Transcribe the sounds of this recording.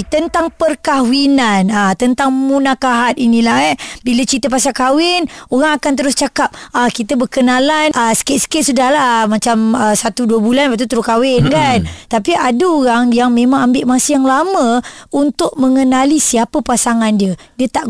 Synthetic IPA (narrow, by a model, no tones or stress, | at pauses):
t̪ənt̪aŋpərkawinanat̪ənt̪aŋmunakaɦat̪̚inilaɛbilət͡ʃit̪əpasakawɪnoɾaŋakant̪̬əɾʊst͡ʃakap̚akit̪əbəkənalanəsə̥kɪt̪̚sə̥kɪʔ̪̚sudahlamat͡ʃaməsat̪uduəbulanpaʔ̚t̪̬ut̪əɾukawɪnkant̪apiʔadəoɣaŋjaŋmemaŋambɪʔmasəjaŋlaməunt̪ʊʔ̚məŋənalisiapəpasaŋandiədiət̪aʔ